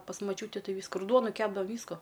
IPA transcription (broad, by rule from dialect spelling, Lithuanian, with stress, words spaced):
pɐs mɐˈt͡ʃʲuːtʲɪ ˈtɐɪ ˈʋʲiːskʊ ɪr ˈduɔnʊ ˈkʲæːbdɐʋɐ ˈʋʲiːskʊ